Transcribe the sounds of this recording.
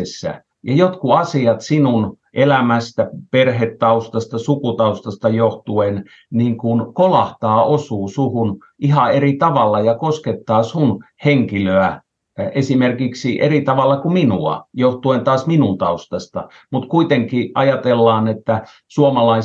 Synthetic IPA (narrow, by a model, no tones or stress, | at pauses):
sːæ̰ | jɑjot̪kuɑsiɑt̪sinun | ʔelæmæst̪æperhet̪ːɑust̪ɑst̪ɑsukut̪ɑust̪ɑst̪ɑjoht̪uen | niŋkunkolɑht̪ɑːʔosuːsuhun | ʔihɑerit̪ɑʋɑlːɑjɑkosket̪ːɑːsun | heŋkiløæ | esimerkiksiʔerit̪ɑʋɑlːɑkuminuɑ̰joht̪uent̪ɑːsminunt̪ɑust̪ɑst̪ɑ | mut̪kuit̪eŋkiʔɑjɑt̪elːɑːnet̪ːæ | suomɑlɑi